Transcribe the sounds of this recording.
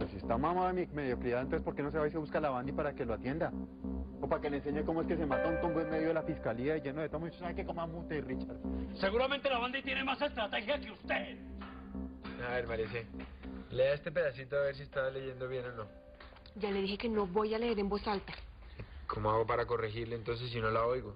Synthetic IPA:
esiest̪amamaemime̞ðjo̞kɾiaðont̪osespoɾke̞no̞s̬eβas̬eβuskalaβand̪ipaɾake̞loat̪je̞nd̪a | opake̞lense̞ɲeko̞moeske̞s̬e̞mat̪auŋko̞mbwenmeðjoelafiskaliaed͡ʒe̞noðet̪omoit͡ʃosaekekomamut̪erit͡ʃaɾse̞ɣuɾament̪e̞laβand̪it̪jenemase̞st̪ɾat̪e̞xjakeust̪eð | aβe̞ɾmaleseleae̞st̪e̞p̬e̞ðasit̪oaβe̞ɾs̬iest̪aβale̞ʝe̞nd̪o̞βje̞no̞no̞ | d͡ʒale̞ðixe̞ke̞no̞βojaleɾembo̞salt̪a | kʰomoaɣo̞paɾako̞rexiɾlent̪o̞ns̬e̞s̬ːino̞laojɣo

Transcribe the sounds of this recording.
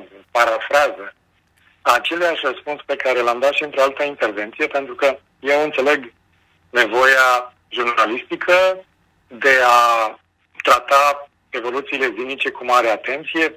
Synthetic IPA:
paɾafɾazə | at͡ʃe̞leaʃʲrəspunspe̞kaɾelamd̪at̪ʃiɨnt̪ɾo̞alt̪əint̪e̞rve̞nt̪sije̞pe̞nt̪ɾukə | je̞wɨnt̪se̞le̞ɡ | ne̞vo̞ja | ʒurnalist̪ikʰə | d̪e̞a | t̪ɾat̪a | e̞vo̞lut̪siːle̞zinit͡ʃe̞kumaɾeat̪e̞nt̪sije̞

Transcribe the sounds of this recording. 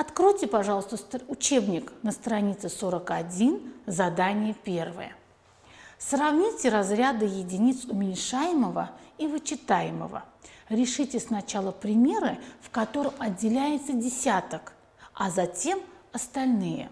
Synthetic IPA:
ɐt̪kɾojtʲɪpɐʐɑlˠəst̪əsʊt͡ɕebnʲɪknəst̪ɾɐnʲit̪sɨsoɾəkɐdʲinzɐd̪anʲɪjəpʲe̞rvɨ̰jə̰ | srɐvnʲitʲɪɾɐzɾʲad̪ɨjɪdʲɪnʲit̪sʊmʲɪnʲʂajɪməvəivɨt͡ɕɪt̪ajɪmə̰və̰ | ɾʲɪʂɨtʲɪsnɐt͡ɕalˠəpɾʲɪmʲe̞ɾɨfkɐt̪o̞ɾəmɐdʲːɪlʲæjɪt̪sədʲɪsʲat̪ək | ɐzɐtʲe̞m | ɐst̪ɐlʲnɨjə̰

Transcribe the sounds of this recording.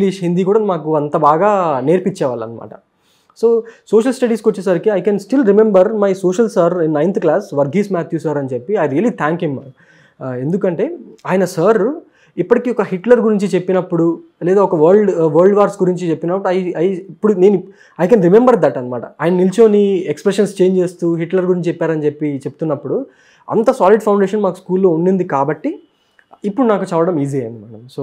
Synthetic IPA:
liʃɦind̪iːk̬uːɽaɐnmaːkuɐnt̪ɐbaːɡaːne̞ːɾpit͡ʃːɛːʋaːlɐ̰nɐma̰ːʈɐ | soːsoːʃɐlsʈɐɖiːskot͡ʃːesaɾkiɐjkɛnsʈilɾimembɐɾmɐjsoːʃɐlsɐɾinːɐjnt̪ʰklaːsʋɐɾɡʱiːsmaːt̪ʰjuːsɐɾɐnit͡ʃe̞pːiɐjɾijɐlit̪ʰaːŋkɦim | e̞nd̪ukɐɳʈe̞ːaːjɐnɐsɐɾ | ipːɐʈikiːɔkɐɦiʈlɐɾɡuɾiɲt͡ʃit͡ʃe̞pːinɐpːuɽu | lɛːd̪aːɔkɐʋɐɾɭɖʋɐɾɭɖʋaːɾsɡuɾiɲt͡ʃit͡ʃe̞pːinɐpːuɽuɐjɐjipːuɽune̞ːni | ɐjkɐnɾimembɐɾd̪ɐʈɐnmaːʈɐ̰aːjɐnɐnilt͡ʃo̞ːniekspɾeʂɐnst͡ʃe̞ːɲd͡ʒe̞ːst̪uɦiʈlɐɾɡuɾiɲt͡ʃt͡ʃepːaːɾɐnt͡ʃepːit͡ʃeput̪unːɐpːuɽu | ɐ̰nt̪ɐsaːliɖpʰɐw̃ɳɖeːʂɐnmaːkuskuːlːo̞ːunːund̪ikaːbɐʈːi | ipːuɽunaːkut͡ʃɛlːɐɽɐmiːziɐnd̪imaːʈɐmsoː

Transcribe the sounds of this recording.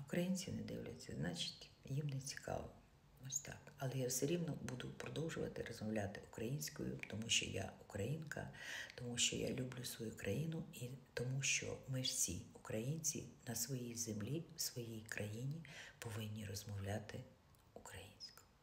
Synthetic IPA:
ʊkɾɐjinʲt͡sʲinɛd̪ɪ̰wlʲɐ̰t͡sʲːɐznɑt͡ʃɪ̥tʲjimnɛt͡sʲi̥kɑ̰ʋɔ | ɔsʲt̪ɑ̰kɐlˠɛjawsɛɾʲiwnɔbud̪ʊpɾɔd̪ɔwʒʊʋɐ̰t̪ɪrɔzmɔwlʲat̪ɪʊkɾɐjinʲsʲkʊ̰jʊ̰t̪ɔmuʃt͡ʃɔ̰ja̰ukɾɐjinkɐ̰t̪ɔmuʃt͡ʃɔ̰ja̰lʲublʲʊsʋɔjukɾʔɐjinʊit̪ɔmuʃt͡ʃɔ̰mɪwsʲḭukɾɐjinʲt͡sʲḭnɐsʋɔjijzemlʲiwsʋɔjijkɾʔɐjinʲipɔʋɪnʲːirɔzmɔwlʲat̪ɪ | ukɾɐjinʲsʲkʊ̥ʊ

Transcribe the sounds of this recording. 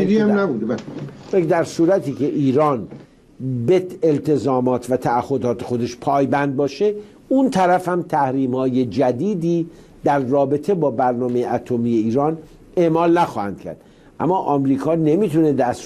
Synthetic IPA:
d̪iæmnæbud̪ebæ | d̪æɾsuːɾæt̪ʰiːcʰe̞ʔiːɾɒːn | beelt̪ʰe̞zɒːmɒːt̪ʰvæt̪ʰææhːo̞d̪ɒːt̪ʰexo̞d̪e̞ʃpʰɒːjbænd̪̚bɒːʃe̞ | unt̪ʰæɾæfhæmt̪ʰæhɾiːmhɒːje̞d͡ʒæd̪iːd̪iː | d̪æɾːɒːbe̞t̪ʰe̞bɒːbæɾnɒːme̞jeʔæt̪ʰomiːje̞iːɾɒːn | e̞ʔmɒːlnæxɒːhæ̰nd̪̥cʰæ̰ɾd̪̥ | ʔæ̰mːɒːʔɒmɾiːkʰɒːne̞mit̪ʰune̞d̪æs

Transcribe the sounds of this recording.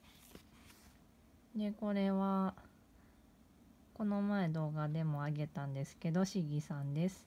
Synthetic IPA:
d̪e̞ko̞ɾe̞βa | ko̞no̞mae̞d̪o̞ːɡad̪e̞mo̞aɡe̞t̪ãnd̪e̞sɨ̥ke̞d̪o̞ɕiɡʲisãnd̪e̞sɨ̥

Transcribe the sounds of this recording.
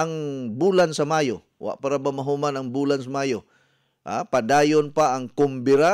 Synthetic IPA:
aŋbuːlansamajo | wa̰ʔpaɾabamaɦumanaŋbuːlansamaːjo | ʔa̰pad̪aːjonpaːŋkʊmbɪɾa

